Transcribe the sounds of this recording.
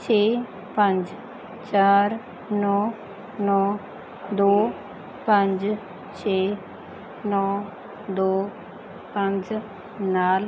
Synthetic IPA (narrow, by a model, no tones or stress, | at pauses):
t͡ʃʰeː | pə̃ɲd͡ʒ | t͡ʃaːɾ | nɔː | nɔː | d̪oː | pə̃ɲd͡ʒ | t͡ʃʰeː | nɔː | d̪oː | pɐ̃ɲd͡ʒ | naːl